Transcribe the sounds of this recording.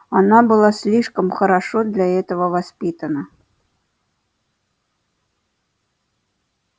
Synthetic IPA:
ɑnabɨlˠɑsʲlʲiʂkəmxəɾaʂod̪lʲaɛt̪əvəvɐspʲit̪ənə

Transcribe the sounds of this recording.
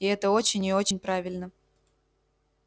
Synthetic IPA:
iɛt̪əo̞t͡ɕɪnʲɪot͡ɕɪnʲpɾavʲɪlʲnə

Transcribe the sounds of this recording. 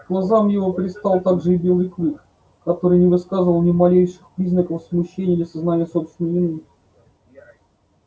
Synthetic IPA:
ɡlˠɐzamjɪvopɾʲɪst̪ɑlˠt̪aɡʐɨɪbʲe̞lˠɨjklˠɨk | kɐt̪o̞ɾɨjnʲɪvɨskazɨvəlˠnʲɪmɐlʲejʂɨxpɾʲiznəkəfsmʊɕːenʲɪjd̪lʲəsɐznanʲɪjəsopst̪ʲɪnəjɪnɨ

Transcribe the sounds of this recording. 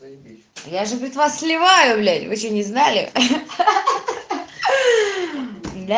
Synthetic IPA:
jaʐɨpɾʲɪt̪vasːʲlʲɪvajʊblʲænʲvɨɕonʲɪznalʲɪ̰ | d̪a

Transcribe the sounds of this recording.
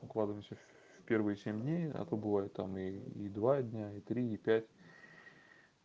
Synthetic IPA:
ʊklˠad̪ɨvəjɪmsʲə | fʲpʲe̞rvɨjəsʲemʲdʲnʲejɐ̰t̪ot̪bɨvajɪt̪ːamiːd̪vadʲnʲait̪ɾʲiipʲætʲ

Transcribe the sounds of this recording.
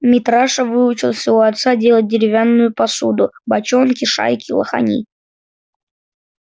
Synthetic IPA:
mʲɪt̪ɾaʂəvɨʊt͡ɕɪlˠfsʲɪvoɐt̪sadʲelˠət̚ʲdʲɪɾʲɪvʲanːʊjʊpɐsud̪ʊbɐt͡ɕonkʲɪʂa̰jkʲɪlˠə̰xa̰nʲḭ

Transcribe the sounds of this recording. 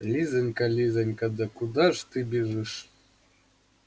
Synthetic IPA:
lʲizʲɘ̆nʲkalʲizʲɘ̆nʲkad̪akud̪ɑʐt̪ɨbʲiʐɨʂ

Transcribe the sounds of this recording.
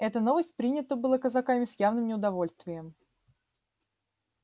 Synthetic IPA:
ɛt̪əno̞vəsʲt̚ʲpɾʲinʲɪt̪əbɨlˠakəzɐkamʲɪsjavnɨmnʲɪʊd̪ɐvo̞lʲst̪vʲɪjəm

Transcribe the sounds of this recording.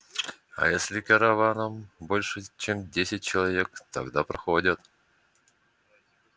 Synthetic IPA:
ɐ̰jesʲlʲɪkəɾɐvanəmbo̞lʲʂɨt͡ɕemdʲesʲɪt̚ʲt͡ɕɪlˠɐvʲek̚t̪ɐ̰ɡd̪apɾɐxodʲət̪

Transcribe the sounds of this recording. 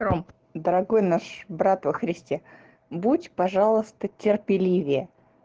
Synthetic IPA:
om | d̪əɾɐɡo̞jnaʂbɾat̪vəxɾʲɪsʲtʲe | butʲpɐʐalˠəst̪ətʲɪrpʲɪlʲivʲɪjə

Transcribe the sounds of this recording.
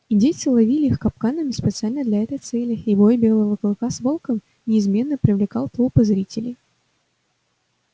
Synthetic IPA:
idʲet̪sɨlˠɐvʲilʲɪixkɐp̚kanəmʲɪspʲɪt̪sɨalʲnəd̪lʲɐɛt̪əjt̪sɛlʲɪːbojbʲe̞lˠəvəkəlˠkasvolˠkəm | nʲɪːzmʲe̞nːəpɾʲɪvlʲɪka̰lˠt̪opəzɾʲitʲɪlʲɪj

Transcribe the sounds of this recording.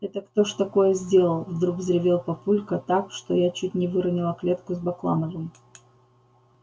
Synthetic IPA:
ɛt̪əkt̪oʂt̪ɐko̞jəzʲdʲe̞lˠəlˠvd̪ɾuɡzɾʲɪvʲelˠpɐpulʲkət̪akʂt̪o̞jat͡ɕutʲnʲɪvɨɾɐnʲɪlˠəklʲe̞t̪kʊzbɐklˠa̰nəvɨm

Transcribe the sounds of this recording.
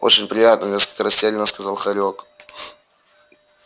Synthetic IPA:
o̰t͡ɕɪnʲpɾʲɪjat̪nənʲeskəlʲkəɾɐsʲtʲelʲɪnəskɐzalˠxɐɾʲok

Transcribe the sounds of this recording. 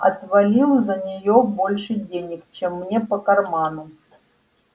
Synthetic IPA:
ɐt̪vɐlʲilˠzənʲɪjobo̞lʲʂɨdʲenʲɪkt͡ɕemːnʲepəkɐrmanʊ

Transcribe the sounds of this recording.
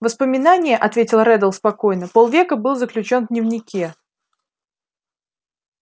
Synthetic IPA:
vəspəmʲɪnanʲɪjəʔɐt̪vʲetʲɪlˠɾɛd̪əlˠspɐko̞jnəpolˠvʲekəbɨlˠzəklʲʉt͡ɕo̞nd̪nʲɪvnʲɪkʲe

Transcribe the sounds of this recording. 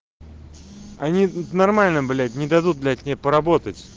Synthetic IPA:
ɐnʲinɐrmalʲnɨmbɨlʲat̪ʲnʲɪd̪ɐd̪ut̪̚d̪lʲakʲnʲepəɾɐbo̞t̪ətʲ

